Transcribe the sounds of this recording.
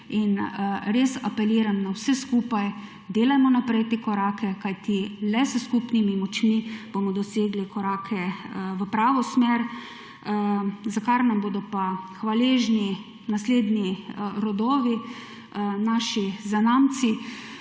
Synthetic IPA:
inɾesapɛliːɾamnawsɛskupaj | d̪eːlajmɔnapɾɛt̪ekɔɾaːkɛkajt̪ilɛsəskupnimimɔt͡ʃmib̥omɔd̪ɔseːɡlikɔɾaːkʰɛʋəpɾaːʋɔsmeɾ | zakaɾnamboːd̪ɔpaxʋaleːʒni | nasleːd̪niɾɔd̪ɔːʋi | naʃizanaːmt̪si

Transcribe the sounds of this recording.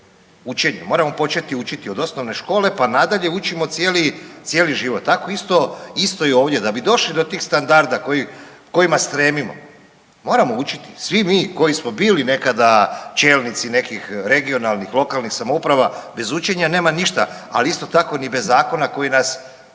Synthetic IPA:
ut͡ʃe̞ɲamoɾamo̞po̞t͡ʃe̞t̪iut͡ʃit̪io̞d̪o̞sno̞ʋne̞ʃko̞ːle̞panad̪aʎe̞ut͡ʃimo̞t̪sjeːlit̪sjeːliʒiːʋo̞t̪ːako̞ist̪o̞ist̪o̞io̞ːʋd̪je̞d̪abid̪o̞ʃlid̪o̞t̪iːxst̪and̪aɾd̪akoji | ko̞imast̪ɾe̞ːmimo̞̰ | mo̞ːɾamo̞ut͡ʃi̥t̪i̥sʋimiːko̞jismo̞biːline̞kad̪at͡ʃe̞ːlnit̪sine̞kixɾe̞ɡio̞nalnixlˠo̞kalˠnixsamoupɾaʋabe̞zut͡ʃe̞ɲane̞ːmaniʃt̪a̰ | aliist̪o̞t̪ako̞nibe̞zːaːko̞nako̞jinas

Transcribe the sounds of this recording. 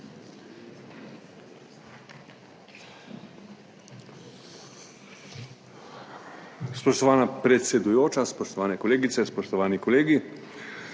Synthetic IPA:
spɔʃt̪ɔʋaːnapɾɛt̪sʲɛd̪ujoːt͡ʃaspɔʃt̪ɔʋaːnɛkɔleːɡit̪sɛspɔʃt̪ɔʋaːnikɔleːɡi

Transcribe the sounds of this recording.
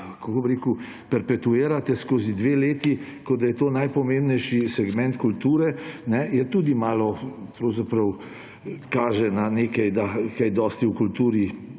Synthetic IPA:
kakobɾeːku | pɛɾpɛt̪ueːɾat̪ɛskoːzid̪ʋeːleːt̪ikɔd̪ajɛt̪oːnajpɔmẽmbnɛjʃisɛɡmɛ̃nt̪kult̪uːɾɛnɛjɛt̪uːd̪imaːlɔpɾɔwzapɾɐw | kaːʒɛnaneːkɛjd̪akajd̪ɔst̪iukult̪uːɾi

